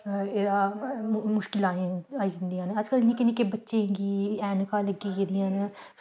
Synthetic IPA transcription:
eːd̪aː | mʊʃkɪlãːaːiːd͡ʒɪnd̪ijãːneəd͡ʒkəlnikeniːkebətːʃeɡiːɛːnkaːləɡiːked̪ijãːne

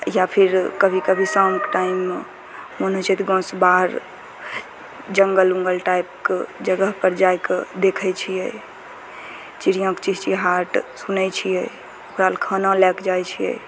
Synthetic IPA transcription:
japʰiɾkəbʱikəbʱisãŋkʈaim | monət͡ʃʰɛt̪ɡɔ̃sbaɦɾ | d͡ʒəŋɡəluŋɡəlʈaip̚ked͡ʒəɡəɦpəɾd͡ʒajked̪ekʰət͡ʃʰijɛ | t͡ʃiɾijə̃kt͡ʃiɦt͡ʃiɦaɾʈsunɛt͡ʃʰijɛ | okɾalkʰənalɛkd͡ʒajt͡ʃʰijɛ̰

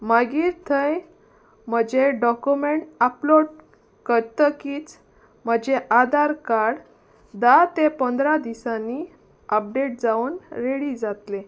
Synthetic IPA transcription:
maɡiːɾt̪ʰəj | m̤əd͡ʑeɖɔkumeɳʈaploɽ | kəɾt̪əkiːt͡s | m̤əd͡ʑeʔad̪aɾkaɽ | d̪at̪epənd̪ɾad̪isanːi | əp̚ɖeʈ̚d͡zauːnɾeɽid͡zat̪le

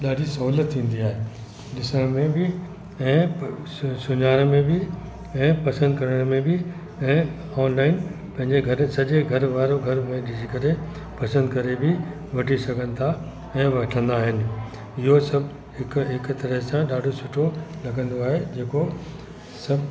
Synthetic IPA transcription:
ɗaːɖʱisɐɦuːlət̪ʰːĩːn̆d̪iaːɦe | ɗɪsəɽ̃mẽbɪ | ɛ̃ː | sʊɲaːɾmẽbɪ | ɛ̃ːpɐsə̃nd̪kɐɾəɽ̃mẽbɪ | ɛ̃ː | ɔːnlaːɪn | pɐ̃ɦɪ̃ɲd͡ʑeɡʱɐɾəsɐʄeɡʱɐɾʋaːɾoɡʱɐɾmẽɗɪd͡ʑikɐɾe | pɐsə̃nd̪kɐɾebʱɪ | ʋɐʈisɐɡʱə̃nɪ̆t̪ʰa | ɛ̃ːʋɐʈʰə̃nd̪aːɦɪnɪ̆ | ɪɦosɐbʱ | ɦɪkɦɪkt̪ɐɾəɦsãɗaːɖʱosʊʈʰolɐɡʱə̃nd̪oaːɦed͡ʑeːko | sɐb

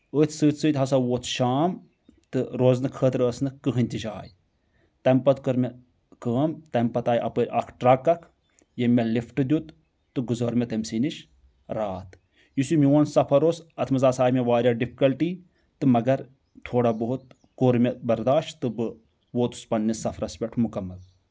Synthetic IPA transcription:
ət̪ʰsɨːt̪ʰsɨt̪ʲɦɐsaːʋoːt̪ʰʃaːm | t̪ɨɾoːznɨkʰəːt̪ɾəsnɨkɨɦɨnʲt̪id͡ʒaːj | t̪ɐmpɐt̪kɐɾmʲɐ | kəːmt̪ɐmʲpɐt̪aːjʔɐ̰pəɾʲʔɐ̰kʰʈɾɐkːɐkʰ | jemʲelifʈɨd̪ʲut̪ː | ɨɡuzɐɾmʲɐt̪ɐmʲsiːniʃ | ɾaːt̪ | jisumiwɐnsɐpʰɐɾoːsɐt̪ʰmɐzaːsaːjmʲeʋaːɾʲjaːɖipʰi̥kɐlʈiː | t̪ɨmɐɡɐɾ | t̪ʰoːɽaːbɐɦut̪ | koɾmʲebɐɾd̪aːʃt̪ɨbɨ | ʋoːt̪u̥spɐnːisɐfʰɾɐspʲɐʈʰmukɐmːɐl

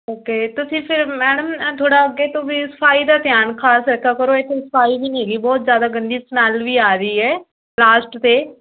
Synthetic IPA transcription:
oːkeːt̪ʊsĩːpʰɪɾmɛːɽəmt̪ʰoːɽaːəɡeːt̪õːʋiːsə̥pʰaːiːd̪aːt̪ɪjaːnkʰaːsɾɛkʰaːkəɾoːet̪ʰːesə̥pʰaːiːɦiːeːɡiːbɔːt̪zjaːd̪aːɡəɳɖiːsmɛːlʋiːaːɾəiːɛː | laːsʈt̪eː

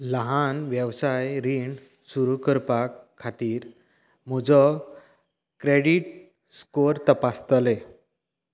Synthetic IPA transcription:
ləɦanʋjəʋsajɾiɳ | suɾukəɾpakʰːat̪iːɾ | m̤ud͡zɔ | kɾeɽiʈ | skoɾt̪əpast̪le

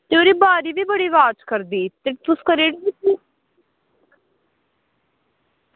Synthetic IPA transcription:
t̪eoːɾiːbaːɾiːʋiːbəɽiːʋaːt͡ʃkəɾd̪iːt̪et̪ʊskəɾeːɽii

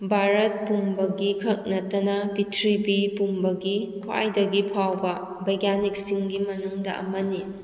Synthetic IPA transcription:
bʱaɾɐt̚pumbɐɡikʰɐk̚nɐtɐnɐbitʰɾibipumbɐɡikʰwa̰jdɐɡipʰawbɐ | bɐjɡanik̚siŋɡimɐnuŋdɐʔɐ̰mɐni

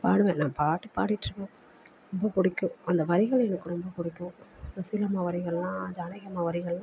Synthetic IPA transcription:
paːɽɯʋẽːnãːpaːʈːɯpaːɽɪʈːɾɯkːõ | ɾɔmbɐkʊɽɪkːʊ̃ɐnd̪ɐʋɐɾɪɣɐɭɛnɐkːɯɾɔmbɐkʊɽɪkːʊ̃ɐsɪlɐmaːʋɐɾɪɣɐɭlãːd͡ʒaːnɐɣɐmaːʋɐɾɪɣɐɭlːãː

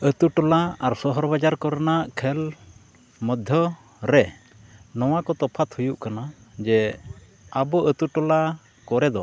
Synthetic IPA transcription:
ət̪uʈɔlaaɾsɔɦɔɾbad͡ʒaɾkɔɾnaʔkʰɛl | mɔd̪ʱjɔ | ɾɛ | nɔwakɔt̪ɔpʰat̪hujuʔkana | d͡ʒɛ | abɔʔət̪uʈɔla | kɔɾɛd̪ɔ

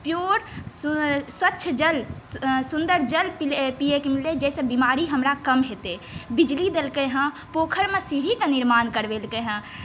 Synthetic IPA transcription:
pjoːɾsswətːʃʰd͡ʒəlsʊ̃nd̪əɾd͡ʒəlpilpijekemiled͡ʒɛsẽbimaːɾiɦəmɾakəmɦet̪e | bid͡ʒlid̪elkeɦə̃ | poːkʰəɾmẽsiɾikenɪɾmaːnkəɾʋelkeɦə̃

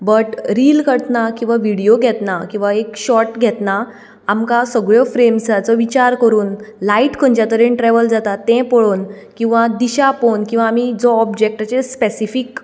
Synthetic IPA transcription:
bəʈɾiːlkəɾt̪nakĩw̃ʋaʋiɽijoɡʱɛt̪nakĩw̃ʋaekɕɔʈɡʱɛt̪na | amkasəɡɭjɔfɾemsat͡sɔʋit͡ɕaɾkəɾuːnlaiʈkʰəɲt͡ɕat̪əɾenʈɾɛʋəld͡zat̪at̪ːɛ̃pəɭoːn | kĩw̃ʋad̪iɕaponkĩw̃ʋaːmid͡zɔɔbd͡ʑek̚ʈat͡ɕespesifik

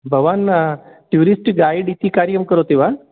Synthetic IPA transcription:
bʱɐʋaːnʈjuːɾisʈɡaːjiɖit̪ikaːɾjəmkəɾot̪iʋa

